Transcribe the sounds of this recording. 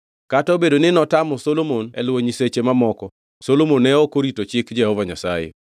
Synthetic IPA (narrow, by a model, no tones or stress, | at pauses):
kataobedonɪnɔtamɔsolomonɛ̰lwoɲiset͡ʃemamɔkɔ | solomonɛɔkoɾitot͡ʃɪkd͡ʒɛhɔvaɲasajḛ